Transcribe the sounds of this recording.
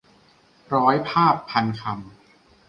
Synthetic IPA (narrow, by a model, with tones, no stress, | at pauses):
ɾɔː˦˥jpʰaː˥˩pʰːa˧nkʰa˧m